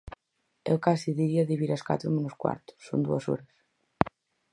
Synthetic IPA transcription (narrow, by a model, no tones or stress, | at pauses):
ḛwkasiðiɾiaðiβiɾaska̰t̪ɾomenoskwa̰ɾt̪ʊ̥ːo̰nd̪uɐso̰ɾɐs